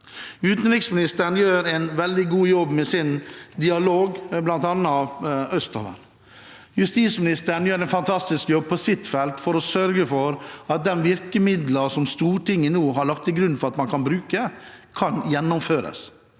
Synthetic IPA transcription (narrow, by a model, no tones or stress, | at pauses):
ʉːt̪nɾɪksmɪnɪst̪əɳ̩jøːɾɛnʋɛld̪ɪɡuːjɔbmesɪnd̪ɪɑloːɡblɑnt̪ɑnːɑœst̪ɔ̰ʋə̰n | jʉst̪iːt̪smɪnɪst̪əɳ̩jøːɾɛɪnfɑnt̪ʰɑst̪ɪskjɔb̚pʰɔsɪt̪ːfɛlt̪fɔɾɔsœɾɡəfɔɾɑt̪̚d̪ɛnʋɪɾkəmɪd̪ləsɔmst̪uːʈɪŋːənuːɦɑɾɭɑkt̪ɪɡɾʉnːfɔɾɑt̪mɑnkʰɑnbɾʉːkəkʰɑnjɛnːɔmføːɾə̰s